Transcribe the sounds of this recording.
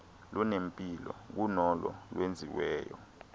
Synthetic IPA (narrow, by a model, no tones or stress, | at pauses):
lunempʼilɔk̬unɔlɔlwend͡zʱiwɛːjɔ